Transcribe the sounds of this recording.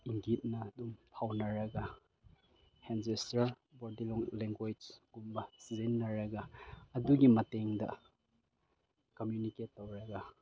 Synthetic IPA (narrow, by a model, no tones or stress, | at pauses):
iŋɡit̚nɐɐdumpʰawnɐɾɐɡɐ | hensestaɾ | boɾdilɔŋleŋɡwed͡ʒɡumbɐsizenːɐɾɐɡɐːduɡimɐteŋdɐ̰ | kɐmjuniketːowɾɐɡɐ